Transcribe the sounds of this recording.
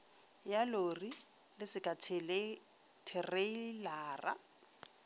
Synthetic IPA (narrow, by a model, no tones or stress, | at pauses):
jalori | lɪsɪkʼa | tʰɪrelaːra̰